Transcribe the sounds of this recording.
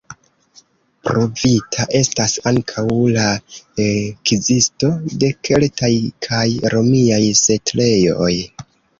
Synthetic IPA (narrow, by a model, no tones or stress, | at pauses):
pɾo̞vitʰaʔe̞stasaŋkʰawlaekizisto̞de̞kʰe̞ltajkʰajɾo̞miajsetle̞jo̞̰j